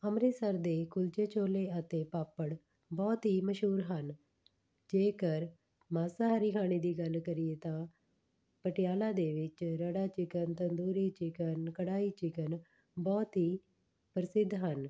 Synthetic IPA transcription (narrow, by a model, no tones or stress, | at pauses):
əmɾeːsəɾd̪eːkʊlt͡ʃeːt͡ʃoːleːət̪ẽːpaːpəɽ | bɔːt̪ɦiːməʃɦuːɾɦən | d͡ʒeːkəɾ | maːsaːɦəɾiːkʰaːɽ̃iːd̪iːɡəlkəɾijeːt̪ãː | pəʈɪjaːlaːd̪eːʋɪt͡ʃɾəɽaːt͡ʃɪkənt̪ənd̪uːɾiːt͡ʃɪkənkəɽaːiːt͡ʃɪkən | bɔːt̪ɦiː | pəɾɪsɪd̪ʱɦən